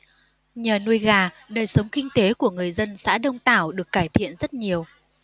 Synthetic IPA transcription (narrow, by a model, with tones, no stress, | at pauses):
ɲaː˨˩nu˧əjɣaː˨˩ | ɗəː˨˩jsə˨˦wŋ͡mkï˧ŋ̟t̪e˨˦ku˧˩əŋɨ˨˩əjzə˧nsa̰ː˧˥ɗə˧wŋ͡mt̪aː˧˩wɗɨ˨˩ək̚ːaː˧˩jt̪ʰḭ˧˨ənzə˦˥t̚ɲi˨˩əw